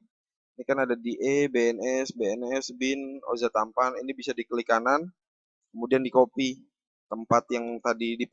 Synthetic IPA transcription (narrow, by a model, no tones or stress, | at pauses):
inikanadadiʔebeɛnɛsbeɛnɛsbɪno̰zat̪ampaninibisadikəlikanan | kəmudiandikopi | t̪əmpat̪jaŋt̪adidi